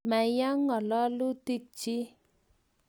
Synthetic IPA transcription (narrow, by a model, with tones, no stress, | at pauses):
ma˨ja˦ŋːɔ˨lɔ˦lu˦ti˦k̚t͡ʃi˦